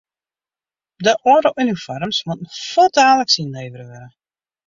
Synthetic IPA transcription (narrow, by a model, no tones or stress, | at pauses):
dəʔoːɾəʔynifɔɾəmsmutn̩folˠdaːləksinleːvəɾəʋɛɾə